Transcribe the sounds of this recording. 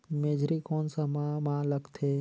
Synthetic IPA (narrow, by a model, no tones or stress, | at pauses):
meːd͡ʒɾikɔːnsamamãːləɡt̪ʰeː